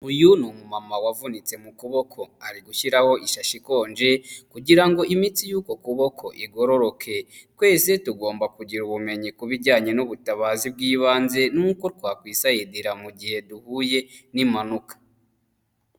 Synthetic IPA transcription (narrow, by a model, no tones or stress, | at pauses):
ujunumumamawavunit͡se̞mukuβo̞kʰo̞aɾiɡuʃiɾaho̞ʔiʃaʃiko̞ːnd͡ʒe̞kuɟiɾaŋɡo̞ʔimiːt͡sijuːko̞kuβo̞kʰo̞ʔiɡo̞ɾo̞ɾokʰe̞kwe̞ːse̞tuɡo̞ːmbakuɟiɾuβume̞ɲikuβiɾɟaːɲe̞nuβutaβaːzib̚ɡiːβaːnze̞nuːko̞t̚waːkwiːsajediɾamuɡihe̞duhuːje̞nimanukḁ